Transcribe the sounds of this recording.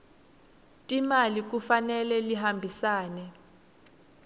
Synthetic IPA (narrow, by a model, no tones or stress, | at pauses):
tʼimalik̬ufanɛlɛliɦambʱisaːnɛ